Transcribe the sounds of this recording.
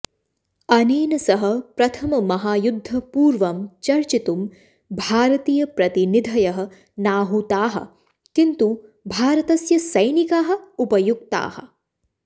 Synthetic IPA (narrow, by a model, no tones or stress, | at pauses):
ɐniːnɐsɐɦɐ̆pɾɐt̪ʰɐmɐmɐɦaːjud̪ʱːɐpuːɾʋɐmt͡ʃɐɾt͡ʃit̪um | bʱaːɾɐt̪iːjɐpɾɐt̪inid̪ʱɐjɐɦɐ̆ | naːɦut̪aːɦɐ̰̆ | kint̪ubʱaːɾɐt̪ɐsjɐsɐjnikaːɦɐ̆upɐjuɡ̚t̪a̰ːhɐ̰